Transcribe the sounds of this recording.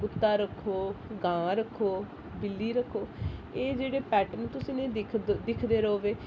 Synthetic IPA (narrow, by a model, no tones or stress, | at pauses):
ɡʊt̪ːaːɾəkʰːoːɡãːɾəkʰːoː | bɪlːiːɾəkʰːoːeːd͡ʒeːɽeːpɛːʈənt̪ʊsĩːnẽːɪk̪ʰd̪ɪkʰd̪eːɾəoːʋeː